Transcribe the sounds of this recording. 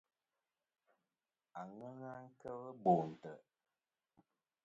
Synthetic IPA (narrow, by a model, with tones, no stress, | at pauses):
a˨ŋə˦ŋa˦ŋ̩˦kə˦wə˦bo˨n̩˨tə˨